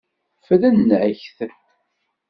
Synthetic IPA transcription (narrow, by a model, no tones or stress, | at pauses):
fəðænːʕəçθ